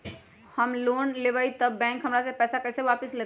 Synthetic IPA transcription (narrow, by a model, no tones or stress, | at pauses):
həmloːnleːʋait̪əbːɛ̃ːŋkɦəmɾasepɛːsakəːseʋaːpəsleː